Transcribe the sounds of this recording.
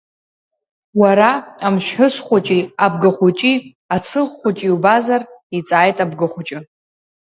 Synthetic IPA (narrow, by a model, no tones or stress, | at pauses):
waɾaamʃᶣħʊsχʷʊt͡ʃʼiab̚ɡɨχʷut͡ʃʼi | at͡sʰɨʁχʷʊt͡ʃʼiwbazarit͡sʼaːjtʼabɡɨχʷʊt͡ʃʼɪ